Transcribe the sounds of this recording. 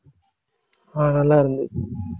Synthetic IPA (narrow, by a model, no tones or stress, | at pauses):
aːɳɐlːaːiɾɯnd̪ɯ̰